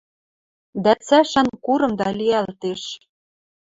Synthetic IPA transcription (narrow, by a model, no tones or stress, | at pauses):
d̪æt͡sæʃænkuɾɤ̆md̪ɑliælt̪eʃ